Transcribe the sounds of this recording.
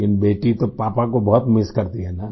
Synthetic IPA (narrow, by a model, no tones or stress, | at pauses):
ɪnbeːʈit̪opaːpakobɔɦʊt̪mɪskɐɾt̪iɦɛːna